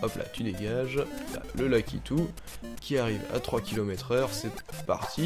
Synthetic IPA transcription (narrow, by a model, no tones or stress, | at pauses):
ɔpla̰t̪ʰyd̪eɡaʒla̰ləlakʲḭt̪u | kʲiaʁiva̰t̪χwakʲilɔmɛt̪χœʁsɛpa̰ʁt̪ʰi